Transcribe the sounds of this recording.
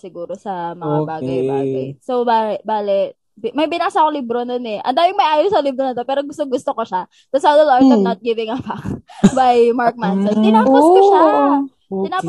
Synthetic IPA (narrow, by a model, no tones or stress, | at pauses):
sɪɡuːɾosɐmɐŋabaːɡɐjbaːɡɐ̰jsowbaːɛbaːlɛ | bmɐjbɪnaːsɐkolibɾononɛʔɐ̰nd̪aːjɪŋmɐjʔaːjosɐlibɾonɐt̪opɛːɾoɡʊst̪oŋɡʊst̪okoʃa | t̪ɐsalɐlasɐnɐt̪̚ɡɪvɪŋɐpɐbɐjmaɹk̚mansɐnt̪ɪnapɐskoʃa | t̪ɪnaː